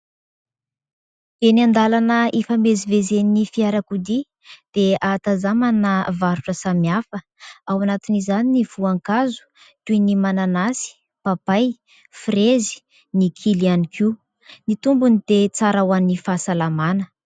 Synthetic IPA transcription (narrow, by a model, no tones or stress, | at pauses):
eniand̪alanəefamezivezeninifiaɾakud̪i | d̪̥eat̪azamanəvaɾuʈ͡ʂəsamiafə | awanat̪inizaniniv̥uaŋkazu̥ | tunimananasi̥ | papaj | frezi̥ | nikʰilianiki | nit̪umbunid̪̥et͡saɾawanifasalamanə